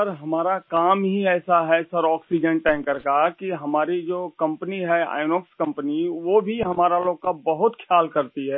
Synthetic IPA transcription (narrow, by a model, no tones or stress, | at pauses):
əɾɦɐmaːɾakaːmɦiɛːsaɦɛsɐɾɔːksid͡ʒənʈɛ̃ːŋkəɾkakiɦɐmaːɾid͡ʒoːkɐ̃mpəniɦɛa̰ːɪnoːkskɐ̃mpəniʋoːbʱiɦɐmaːɾaloːɡ̚kabɐɦʊt̪kʰjaːlkɐɾt̪iɦɛː